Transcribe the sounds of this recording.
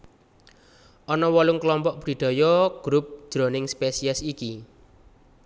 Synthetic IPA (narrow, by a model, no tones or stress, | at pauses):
ʔɔnɔwɔlʊŋkəlɔmpɔʔbɾi̤ɖ̪̥ɔ̤jɔɡ̥ɾup̚d̥d͡ʒ̥ɾonɪŋspesiɛsiki